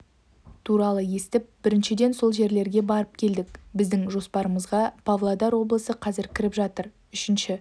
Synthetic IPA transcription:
t̪ʰuɾɑlˠəje̞st̪ɪp̚b̥ɪɾɪnʃɪd̪e̞nso̞lˠʒe̞ɾle̞ɾɡʲe̞bɑɾəp̚kʲʰe̞ld̪ɪkbɪzd̪ɪŋʒo̞spɑɾəməzʁɑpʰavlˠad̪ɑɾwo̞blˠəsəqʰɑzɪɾkʲʰɪɾɪpʒɑt̪əɾ | ʏʃɪnʃɪ

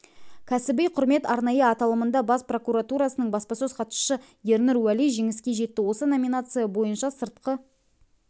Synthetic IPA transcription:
kʲʰæsɪbejqʰʊɾme̞t̪ɑɾnɑjəɑt̪ɑlˠəmənd̪ɑbɑspro̞kuɾat̪uɾɑsənəɴbɑspɑsøz̥qʰɑt̪ʃə̥ʃə | je̞ɾnɪɾwælijʒeŋɪskʲe̞ʒe̞t̪ːɪwo̞səno̞mʲinat̪sɨjɑbo̞jənʃɑsəɾt̪̚qə

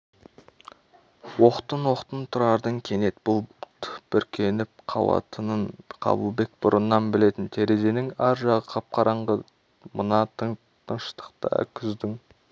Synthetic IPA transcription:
wo̞qt̪ənwo̞qt̪ənt̪ʰʊɾɑɾd̪əŋkʲʰe̞ne̞t̪b̥ʊlˠt̪b̥ʏɾkʲʰe̞nɪp̚qʰɑ̰wˠɑ̰t̪ʰənəɴqʰɑ̰bəlˠbe̞k̚bʊɾənːɑnbɪle̞t̪ɪnt̪ʰe̞ɾe̞ze̞nɪŋæɾʒɑʁəqʰɑp̚qʰɑɾɑɴʁə | mənɑt̪əŋ | t̪ʰəɴʃə̥t̪ə̥qt̪ɑ̰kʲʰʏzd̪ɪŋ

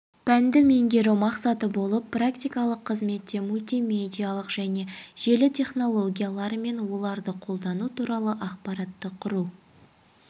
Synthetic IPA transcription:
pænd̪ɪme̞ŋɡʲe̞ɾomɑqsɑt̪əbo̞lˠəpːrakt̪ʲijkɑlˠəqʰːəzme̞t̪ːe̞mulʲt̪ʲijme̞d̪ʲijalˠəqʒ̥æne̞ʒ̥e̞lɪt̪ʲʰe̞χno̞lˠo̞ɡʲijalˠɑɾəme̞nwo̞lˠɑɾd̪əqʰo̞lˠd̪ɑnut̪ʰuɾɑlˠəʔɑqpɑɾɑt̪ːəqʰʊɾu

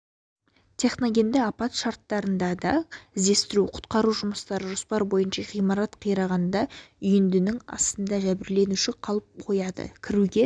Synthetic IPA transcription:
t̪ʲʰe̞χno̞ɡʲe̞nd̪ɪɑpɑt̪ʃɑɾt̪ːɑɾənd̪ɑd̪ɑɪzd̪e̞st̪ɪɾuqʰʊ̥t̪qɑɾuʒʊməst̪ɑɾəʒospɑɾbo̞jənʃɑʁijmɑɾɑt̪qʰəjɾɑʁɑnd̪ɑʏjɪnd̪ɪnɪŋɑ̰st̪ənd̪ɑʒæbɪɾle̞nuʃɪqʰɑlˠəp̚qʰo̞jɑd̪ə̰kʲʰɪɾuɡʲe̞

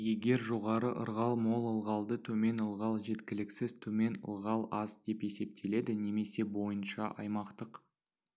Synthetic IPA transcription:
je̞ɡʲe̞ɾʒo̞ʁɑɾəʔə̰ɾʁɑlˠmo̞lˠəlˠʁɑlˠd̪ət̪ʰɵme̞nəlˠʁɑlˠʒe̞t̪kʲɪlɪksɪz̥t̪ʰɵme̞nə̰lˠʁɑlˠɑzd̪e̞pe̞se̞p̚t̪ʰe̞le̞d̪ɪne̞me̞se̞bo̞jənʃɑʔɑ̰jmɑqt̪əq

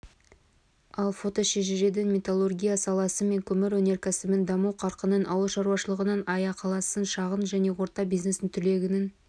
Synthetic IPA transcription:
ɑlˠfo̞t̪o̞ʃeʒeʒe̞d̪ɪnmʲet̪olˠorɡʲijasɑlˠɑsəme̞ŋkʲʰɵmɪɾwɵne̞ɾkʲʰæsɪbɪnd̪ɑməwqʰɑɾqənənɑwəlˠʃɑɾwɑʃəlˠəʁənənɑjɑqʰɑlˠɑsənʃɑʁənʒæne̞wo̞ɾt̪ɑbijzne̞sɪnt̪ʰʏle̞ɡʲɪnɪn

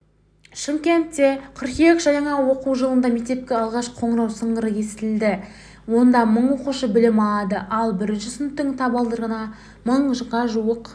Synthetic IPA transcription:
ʃɪŋkʲe̞nt̪ːe̞kʰʊɾqijekʲʒ̥ɑjɑɴɑwo̞quwʒəlˠənd̪ɑmek̚t̪e̞p̚kʲeɑlˠʁɑʃqʰo̞ɴəɾɑwsəɴdəɾəje̞sɪ̥t̪ɪld̪ɪ | wo̞nd̪ɑməɴwo̞quʃəbɪlɪmɑd̪əʔɑlˠbɪɾnʃʏsʏnʏt̪ːɪŋt̪ʰɑbɑlˠd̪əɾʁənɑ | məɴʒəʁɑʒuəq

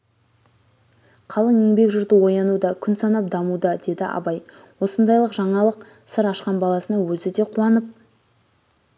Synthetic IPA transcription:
qʰɑlˠəŋeŋbe̞kʒʊɾd̪əwo̞jɑnud̪ɑkʲʰʏnsɑnɑp̚d̪ɑmud̪ɑd̪e̞d̪ɪʔɑ̰bɑjwo̞sənd̪ɑjlˠəqʒɑɴɑlˠəq | səɾɑʃqɑnbɑlˠɑsənəɴwɵzɪd̪e̞qʰuɑnəp̚

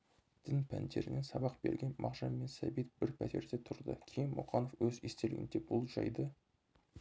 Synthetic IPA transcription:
d̪̥ɪnpʰænd̪e̞ɾɪnɪŋsɑbɑqb̥e̞ɾɡʲenmʔɑʁʒɑmːe̞nsæbit̪̚b̥ɪɾpʰæt̪e̞ɾd̪e̞t̪ʰʊɾd̪ə̰kʲʰejɪnmʊqɑno̞fwɵzest̪elɪɡʲɪ̰nd̪ebʊlˠʒɑ̰jd̪ə

